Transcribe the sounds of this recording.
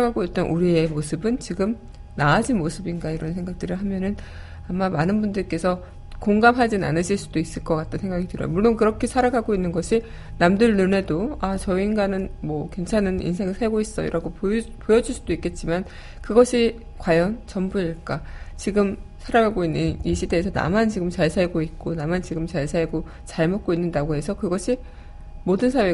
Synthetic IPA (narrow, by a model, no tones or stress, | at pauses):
aɡaɡoit̚t͈ʌnʔuɾie̞mosʰɯbɯnt͡ɕiɡɯm | naad͡ʑinmosʰɯbinɡaiɾʌnsʰe̞ŋɡak̚t͈ɯɾɯɭɦamjʌnɯn | amːamanɯnbundɯɭk͈e̞sʰʌ | koŋɡamɦad͡ʑina̰nɯɕʰiɭs͈udois͈ɯɭk͈ʌk͈at̚t͈ʰɯnsʰe̞ŋɡaɡitɯɾʌ̰jomuɭːonkɯɾʌkʰe̞sʰaɾaɡaɡoinːɯnɡʌɕʰi | namdɯɭnɯne̞doat͡ɕʌinɡanɯnmwʌkwe̞nt͡ɕʰanɯnḭnsʰe̞ŋɯɭsʰaɭɡois͈ʌḭɾʔaɡopopojʌd͡ʑuɭs͈udoik͈e̞t̚t͡ɕ͈iman | kɯɡʌɕʰi | kwajʌnt͡ɕʌmbuiɭk͈at͡ɕiɡɯmsʰaɾaɡaɡoinːɯniɕʰide̞ːsʰʌna̰mant͡ɕiɡɯmt͡ɕaɭsʰaɭɡoit̚k͈onamant͡ɕiɡɯmt͡ɕaɭsʰaɭɡo | t͡ɕaɭmot̚k͈oinːɯndaɡoɦe̞sʰʌkɯɡʌɕʰi | modɯnsʰawe̞